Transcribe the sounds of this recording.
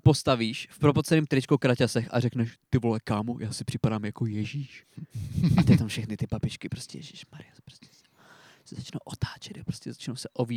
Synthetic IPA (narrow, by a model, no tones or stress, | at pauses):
po̞st̪aviːʃfpɾopot̪t͡sɛnɛːmt̪ɾɪt͡ʃkokɾacasɛxa̰rɛknɛʃt̪ɪvolɛkaːmujʔaːsɪpr̝̥ɪpadaːmjakojɛʒiːʃ | ʔat̪ɛt̪amfʃɛxnɪt̪ɪpapɪt͡ʃkɪpɾoscɛ̰jɛʒiʃmaɾɪjaspɾoscɛ̥s | sɛzat͡ʃnowʔot̪aːt͡ʃɛd̪apɾoscɛzat͡ʃnowsɛʔoviː